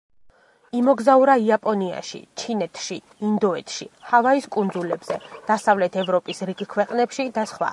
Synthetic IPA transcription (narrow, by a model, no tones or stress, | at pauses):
imɔɡzauɾaiapʼɔnia̰ʃḭt͡ʃʰinɛt̪ʰʃi | ind̪ɔɛt̪ʰʃḭhavaiskʼund̪zulɛbz̥ɛd̪̥asavlɛt̪ʰɛvɾɔpʼisɾiɡkʰwɛqʼnɛpʃid̪asχwa̰